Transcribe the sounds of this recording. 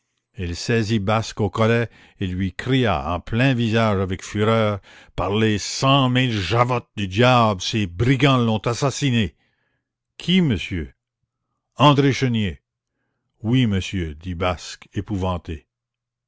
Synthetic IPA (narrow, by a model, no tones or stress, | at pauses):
ilsɛzibaskokɔlɛ | elɥikrija̰ɑ̰̃plɛ̃vizaʒavɛkfyɾœːʁpaʁlesɑ̃milʒavɔt̪̚d̪yd̪jabsebʁiɡɑ̃lɔ̃t̪asasine | kʲʰiməsjø | ɑ̃d̪ɾeʃənje | wiməsjød̪ibaskepuvɑ̃t̪e